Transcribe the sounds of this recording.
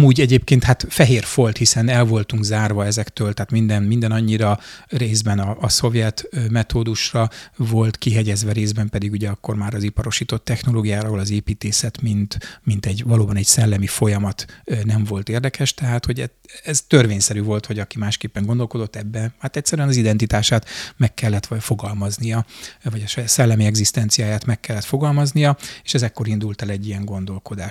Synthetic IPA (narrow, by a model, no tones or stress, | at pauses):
muːɟɛɟeːpkeːnt̪hat̪fɛɦeːrfo̞lt̪hisɛnɛlvo̞lt̪uŋɡzaːrvɒɛzɛkt̪øːlt̪ɛɦaːt̪mind̪ɛnmind̪ɛnɒɲːiɾɒreːzbɛnɒʔːso̞vjɛt̪mɛt̪oːd̪uʃrɒvo̞lt̪kiɦɛɟɛzʋɛɾeːzbɛmpɛd̪iɡuɟɛɒkːo̞rmaːɾɒzipɒɾo̞ʃiːt̪o̞t̪ːɛxno̞loːɡijaːɾɒolɒzeːpiːt̪eːsɛt̪mint̪mint̪ɛɟvɒloːbɒnɛɟsɛlːɛmifo̞jɒmɒt̪nɛɱvo̞lt̪eːrd̪ɛkʰɛʃt̪ɛɦaːt̪ho̞ɟɛ | ɛzt̪ø̞rʋeːɲsɛɾyːvo̞lt̪ho̞ɟɒkimaːʃkeːpːɛŋɡo̞nd̪o̞lko̞d̪o̞t̪ːɛbːɛnhaːt̪ɛcʲsɛɾyɛnɒzid̪ɛnt̪it̪aːʃaːt̪mɛkːɛlːɛt̪fo̞ɡɒlmɒznijɒvɒɟɒʃjaːt̪sɛlːɛmiɛɡzist̪ɛnt̪sijaːjaːt̪mɛkːɛlːɛt̪fo̞ɡɒlmɒznijɒe̥ːʃɛzɛkːo̞ɾind̪ult̪ɛlɛɟːijɛŋɡo̞nd̪o̞lko̞d̪aːʃ